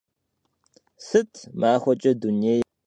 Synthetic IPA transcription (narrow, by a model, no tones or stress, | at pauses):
sɨtʰmaːxʷɔt͡ʃʼɐduniej